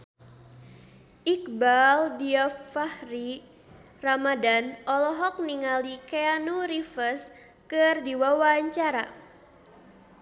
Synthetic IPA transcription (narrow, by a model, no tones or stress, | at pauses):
ʔikbaldiafahɾi | ramadanɔlɔɦɔk̚niŋalikeanuɾifəs | kɨrdiwawaɲt͡ʃaɾa̰